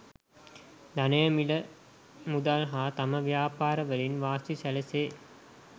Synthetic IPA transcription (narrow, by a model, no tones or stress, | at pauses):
d̪ɐnɐjɐmilə | mud̪alɦaːt̪ɐməʋijaːpaːɾəʋəlinʋaːsisælɐseː